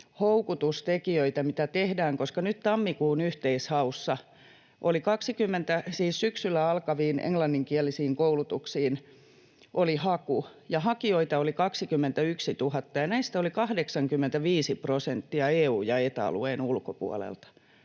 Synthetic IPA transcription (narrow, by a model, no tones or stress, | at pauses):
houkut̪ust̪ekiøit̪æmit̪æt̪ehdæːŋkoskɑnyt̪t̪ɑmːikuːnyht̪eishɑusːɑ | ʔolikɑksikymːent̪æsiːssyksylːˑæɑlkɑʋiːnḛŋlɑnːiŋkiɛlisiːŋkoulut̪uksiːn | ʔolihɑkujɑhɑkioit̪ɑolikɑksikymːent̪æyksit̪uhɑt̪ːɑjɑnæist̪æolikɑhdeksɑŋkymːent̪æʋiːsiprosent̪ːiɑeːuːjɑet̪ɑ̰lṵeːnulkopṵɑ̰lḛlt̪ɑ̥